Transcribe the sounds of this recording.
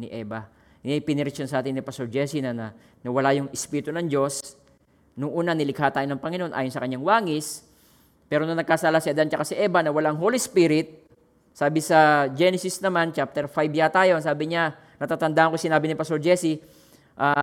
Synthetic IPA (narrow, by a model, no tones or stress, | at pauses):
nɪʔɛːbɐ | ɛjpɪnɪɾɪt͡ʃonsɐʔaːt̪ɪnɪpɐst̪oɹd͡ʒɛːsinɐnɐ | nɐwɐlajʊŋɪspiːɾɪt̪onɐŋd͡ʒo̞s | nʊŋʔuːnɐŋnɪlɪkhaːt̪aːjonɐŋpɐŋɪnoʔonʔa̰ːjonsɐkɐɲːaŋwaːŋɪs | pɛːɾonɐŋnɐɡ̚kasaːlasɪɐd̪ant͡ʃɐkasɪʔɛːbɐnɐwɐlaɐŋɦolispiɾɪt̪̚ | saːbɪsɐd͡ʒɛnɛsɪsnɐmant͡ʃap̚t̪ɛɾfajbjat̪aːjoʔɐŋsaːbɪɲa | nɐt̪aːt̪ɐnd̪aːhɐŋkosɪnaːbɪnɪpɐst̪oɹd͡ʒɛːsi | ʔa